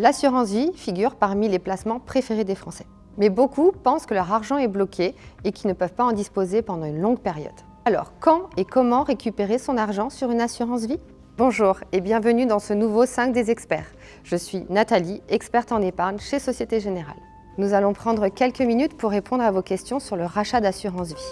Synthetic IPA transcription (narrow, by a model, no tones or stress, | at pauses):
lasyʁɑ̃svifiɡʲyʁpaʁmileplasmɑ̃pχefeʁed̪efχɑ̃sɛ̥ | mɛbokʰupɑ̃skəlœʁaʁʒɑ̃ɛblɔkʲʰeːkʲilnəpœvpaɑ̃d̪ispozepɑ̃d̪ɑ̃ynlɔ̃ɡpeʁjɔ̰d̪ | alɔ̰ʁkɑ̃ekɔmɑ̃ʁekʲypeʁesɔ̃naʁʒɑ̃syʁynasyʁɑ̃s̬vi | bɔ̃ʒuːʁebjɛ̃vənyd̪ɑ̃sənuvosɛ̃k̚d̪ezɛkspɛ̰ːʁ | ʒ̥əsɥinat̪aliɛkspɛʁt̪ɑ̃nepaʁɲʃesɔsjet̪eʒeneʁa̰l | nuzalɔ̃pχɑ̃d̪ʁəkʲɛlkəminyt̪puʁːepɔ̃d̪ʁavokʲɛst̪jɔ̃syʁləʁaʃad̪asyʁɑ̃svi